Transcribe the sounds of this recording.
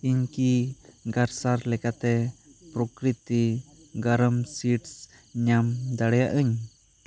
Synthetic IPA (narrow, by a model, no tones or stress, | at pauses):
iɲkiɡaɾsaɾlɛkat̪ɛpɾɔkɾit̪i | ɡaɾəmsiʈs | ɲamd̪aɽɛjaʔɯɲ